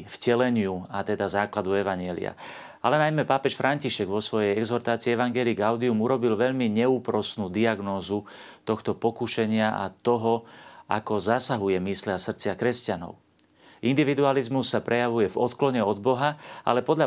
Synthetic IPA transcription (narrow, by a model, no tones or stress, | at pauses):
fcɛlɛɲɪuat̪ɛd̪azaːklad̪uɛʋaɲɪɛlḭa̰ | alɛnajmɛpaːpɛʃfɾʔaɲciʃɛɡʋɔsʋɔjɛjɛɡzɔɾt̪aːt͡siːɛʋaŋɡɛːliɡaʊd̪iumuɾɔbilʋɛʎmiɲɛuːpɾɔsnuːd̪iaɡnɔːzu | t̪ɔxt̪ɔpɔkuʃɛɲɪaʔa̰t̪ɔɦɔa̰kɔzasaɦujɛmisliasr̩t͡sɪakɾɛscanɔ̰ʊ | ʔind̪iʋid̪ualizmusːapɾʔɛjaʋujɛvɔt̪klɔɲɛɔd̪̚bɔɦaa̰lɛpɔd̪ʎa